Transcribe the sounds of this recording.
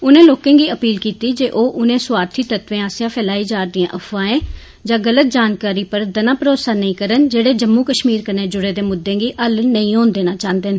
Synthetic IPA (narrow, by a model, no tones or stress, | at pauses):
ʊnẽːloːkẽːɡiːəpiːlkiːt̪iːd͡ʒeːʔoːʔʊnẽːsʊwaːɾt̪ʰiːt̪ət̪ʋẽːaːsjãːpʰɛːlaːiːd͡ʒaːɾd̪ɪjã̰ːʔəfʰʋãːẽː | d͡ʒãːɡələt̪̚d͡ʒaːnkaːɾiːpəɾd̪ənãːpɾoːt̪saːnəĩːkəɾənd͡ʒeːɽeːd͡ʒəmːũːkəʃmiːɾkəɾneːd͡ʒʊɽeːd̪eːmʊd̪ːẽːɡiːʔəlnəĩːoːnd̪eːnaːt͡ʃãːnd̪eːn